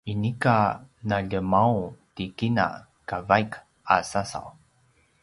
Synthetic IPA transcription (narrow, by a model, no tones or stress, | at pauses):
inikanaʎəmawtikina̰ | kavajk | a̰sasa̰w